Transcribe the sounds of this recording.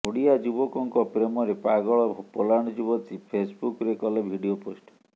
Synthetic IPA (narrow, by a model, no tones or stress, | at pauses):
oɽiad͡ʒubɔkɔŋkɔpɾemɔɾepaɡɔɭɔpolaɽ̃ɔd͡ʒubɔt̪ipʰesbukɔɾekɔlebʱiɖioposʈɔ̥